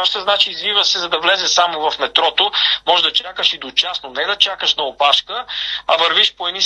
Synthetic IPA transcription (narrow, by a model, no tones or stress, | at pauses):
aʃt̪əznat͡ʃiːzvivəsɛzɐd̪ɐvlɛzɛsamovɐfmɛt̪ɾɔt̪omɔʒɛd̪ɐt͡ʃakəʃid̪ot͡ʃasnonɛd̪ɐt͡ʃakəʃnɐopaʃkəɐvəɾviʃpoɛd̪ni